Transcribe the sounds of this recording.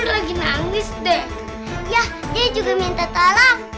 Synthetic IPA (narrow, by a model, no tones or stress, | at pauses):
ɖlaɡinaŋisd̪ɛ | jah | diad͡ʒuɡamint̪at̪ala